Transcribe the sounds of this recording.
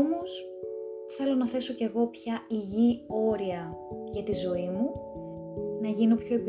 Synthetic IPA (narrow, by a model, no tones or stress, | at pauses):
mo̞s | θe̞lo̞nɐθe̞so̞ce̞ɣo̞pçɐiʝio̞ɾiɐʝɐt̪izo̞imu | nɐʝino̞pço̞eb